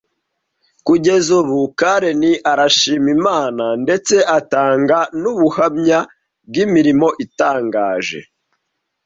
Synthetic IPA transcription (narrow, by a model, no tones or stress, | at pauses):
kuɟe̞zuβukaɾe̞niʔaɾaʃiːmimaːnande̞t͡se̞ʔataːŋɡanuβuhamɲa | b̚ɡimiɾimo̞ʔitaːŋɡaːʒe̞̰